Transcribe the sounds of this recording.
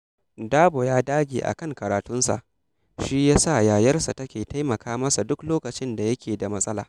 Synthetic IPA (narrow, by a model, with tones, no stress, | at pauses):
daː˦bo˨jaː˦daː˦ɡʲḛː˨ʔa̰˨kɐ˦˨ŋkɐ˨ɾaː˨tʊ˦nsa̰˨ʔ | ʃi˦jaː˦sa˦˨jaː˨jɐ˦rsa˨tɐ˦kʲeː˨ta˦jmɐ˨kʰaː˦mɐ˦sa˨dʊ˦kloː˦kɐ˨t͡ʃɪ˦nda˨jɐ˦kʲeː˨da˨mɐ˦sʼɐ˦laː˨